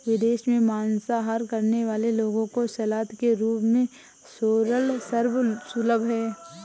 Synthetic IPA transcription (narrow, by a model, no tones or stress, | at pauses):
ʋɪd̪eːʃmẽmaːnsaɦaːɾkɐɾneʋaːleloːɡõkosɐlaːt̪keɾuːpmẽ | soːɾəlsəɾbsʊləbʱɦɛː